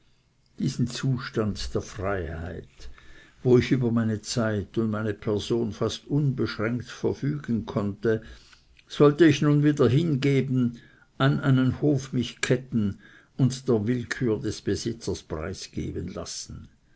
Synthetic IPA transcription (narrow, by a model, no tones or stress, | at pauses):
d̥iːz̥n̩t͡suːʃtandd̥eːɐfʁ̥aɪha̰ɪtvoːɪçʔyːbɐmaɪnət͡saɪtʊntmaɪnəpʰɛɐzoːnfastʔʊnbəʃʁɛŋktfɛɐfyːɡ̥ən̩kʰɔntə | z̥ɔltəɪçnuːnviːdɐɦɪnɡeːbn̩ | ʔanʔaɪnənhoːfmɪçkʰɛtn̩ | ʊntd̥eːɐvɪlkʰyːɐdɛsb̥əzɪt͡sɐspʁ̥a̰ɪsɡ̥ḛːbənla̰sn̩